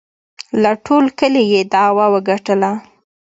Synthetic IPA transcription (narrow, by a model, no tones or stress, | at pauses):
laʈʰolkəlejed̪ɑwɑwəɡaʈəla